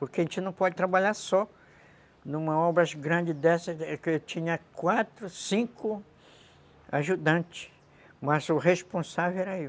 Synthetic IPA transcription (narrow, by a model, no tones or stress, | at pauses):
poɾkeaẽt͡ʃɪnɐ̃w̃pɔd͡ʒɪt̪ɾabaʎaɾsɔ | nũmɐɔbɾɐɡɾɐ̃nd͡ʒɪd̪ɛsɐkt͡ʃ̪ĩɲɐkwat̪ɾʊsĩŋkʰʊ | aʒud̪ɐ̃nt͡ʃɪ̥ | mɐzʊhespõsavewɛɾɐi